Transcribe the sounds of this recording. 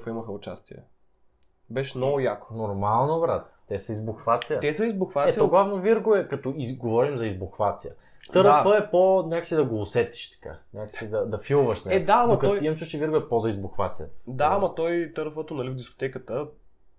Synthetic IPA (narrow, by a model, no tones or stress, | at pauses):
fəiməxəʊt͡ʃa̰st̪iɛ̰ | bɛʃmnɔɡʊjako̥nʊɾmalˠnobɾat̪̚ːɛsɐizboxvat̪sijət̪ɛsəizbʊxvat̪ɛt̪st̪ɔɡlˠavnoviɾɡʊɛkɐt̪ɔiɡovɔɾimzɐizboxvat̪siə̰ | t̪əɾfəɛponʲakə̥sid̪ɐɡoːsɛt̪i̥ʃt̪ɐ̥ka̰nʲakə̥sid̪ɐd̪ɐfilˠvɐʃsnɛɛd̪amokɐɔiɐmsuʃt͡ʃ̪iviɾɡoɛpɔzɐizboxvat̪sijət̪d̪amɐt̪ɔjt̪əɾfət̪ʊnɐlivd̪isko̥t̪ɛkət̪ə